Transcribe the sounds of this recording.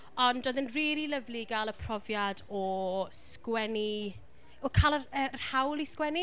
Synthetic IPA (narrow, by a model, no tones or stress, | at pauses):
ɔndoðənriːɾiləvliɡalˠəpʰr̥ɔvjadɔskwɛni | ɔkʰalˠərərhawlˠiskwɛni